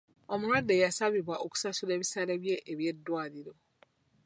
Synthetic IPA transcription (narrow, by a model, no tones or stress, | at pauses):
ɔmʊɾadejasabibaʔokʰu̥sasudeβisadɛbieʔeβiɛdʊadido